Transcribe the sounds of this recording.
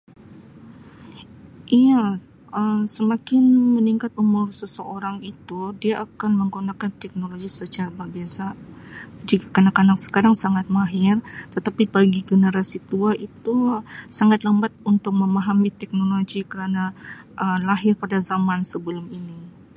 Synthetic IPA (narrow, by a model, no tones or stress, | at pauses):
ʔija | əmsəmakɪnməniŋkat̪umʊrsəsəʔoɾaŋit̪udiaʔakanməŋɡunakant̪ɛk̚noloɡisət͡ʃaɾabərbiasa | d͡ʒikakanakːanaksə̥kaɾaŋsaŋat̪̚maɦɪrt̪ət̪apibaɡiɡənəɾasit̪uaʔit̪usaŋat̪ləmbat̪̚unt̪ʊk̚məmaɦamit̪ɛk̚noloɡikəɾana | ʔəmlaɦɪrpadazamansəbəlʊmini